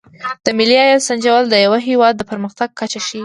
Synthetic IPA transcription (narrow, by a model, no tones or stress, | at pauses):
d̪̥əmɪliɑjɑsand͡ʒawald̪əjawaɦewɑd̪ːəpəɾməxt̪aɡ̚kat͡ʃaʃi